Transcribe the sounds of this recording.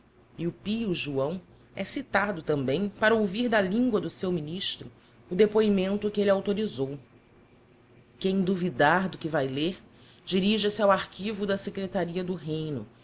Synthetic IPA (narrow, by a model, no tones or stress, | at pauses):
iʊpiʊʒuɐ̃w̃ | ɛsit̪ad̪ʊt̪ɐ̃mbẽj̃paɾɐowviɾd̪ɐlĩŋɡwɐd̪ʊsewminiʃt̪ɾʊː | d̪epoimẽnt̪ʊkɪelɪawt̪oɾizow | kẽj̃d̪uvid̪aɾd̪ʊkɪvajleɾ | d͡ʒiɾiʒɐsɪawaɾkivʊd̪ɐsekɾet̪aɾiɐd̪ʊɦẽj̃nʊ̰